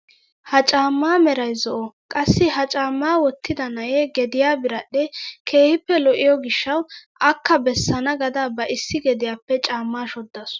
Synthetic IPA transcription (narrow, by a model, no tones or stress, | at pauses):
hɐt͡ʃʼaːmːaːmɛɾɐjzɔʔɔkʼɐsːɪɦɐt͡ʃʼaːmːaːwɔt̪ːɪd̪ɐnɐjɛɡɛd̪ɪjaːbɪɾɐɗːɛkʰe̞ːhɪpːɛlɔʔɪjɔɡɪʃːɐwʔɐkːɐbɛsːɐnɐɡɐd̪ɐbɐʔɪsːɪɡɛd̪ɪjaːpːɛt͡ʃʼaːmːaːʃɔd̪ːɐs